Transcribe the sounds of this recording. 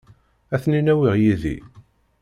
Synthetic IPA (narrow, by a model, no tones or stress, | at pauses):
æθninæwiʁjiðḭ